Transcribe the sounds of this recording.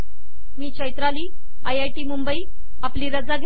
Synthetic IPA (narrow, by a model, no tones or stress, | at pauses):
miːt͡ɕʰəjt̪ɾaliː | ajajʈiːmumbəiː | apliːɾəd͡zaɡ